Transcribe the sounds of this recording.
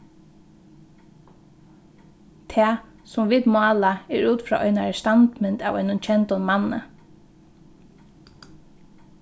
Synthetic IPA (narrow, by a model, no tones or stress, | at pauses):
t̪ʰɛː | sʊmʋiːt̪mɑːlaɛɹuːt̪fɾɔ̰ːʔɔjnaɹst̪ant̪mɪnt̪a̰ʋɔɪnʊnt͡ʃʰɛnt̪ɔnmanːə̰